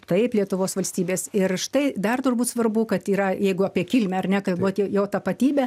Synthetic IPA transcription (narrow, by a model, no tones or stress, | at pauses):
t̪ɐɪplʲiɛt̪ʊʋoːsʋɐlʲsʲt̪ʲiːbʲeːsɪrʃt̪ɐɪd̪ɐrt̪ʊrbuːt̪sʋɐrbuːkɐt̪iːɾɐjɛɪɡʊɐpʲiɛkʲɪlʲmʲɛɐrnʲɛkɐt̪ʋut̪ʲːjoːt̪ɐpɐt̪ʲiːbʲɛ